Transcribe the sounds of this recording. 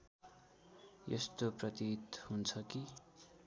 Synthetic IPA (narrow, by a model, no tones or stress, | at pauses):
jḛst̪oprʌt̪it̪hunt͡sʰʌki